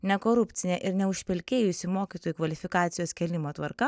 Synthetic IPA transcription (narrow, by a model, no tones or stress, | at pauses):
nʲɛkoːɾʊpʲt̪ʲɪnʲeːʔɪɾnʲɛʊʃʲpʲɛlʲkʲeːjʊsʲɪmoːkʲiːt̪oːjukʋɐlʲɪfʲɪkɑːt̪sʲɪjoːskʲɛlʲɪmoːt̪ʋɐɾkɐ